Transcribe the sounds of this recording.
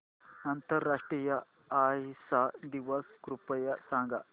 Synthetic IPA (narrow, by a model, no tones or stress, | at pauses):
ɐnt̪ɐɾːaːʂʈɾijɐ | aɦisad̪iʋɐskɾupɐjɐsãŋɡa̰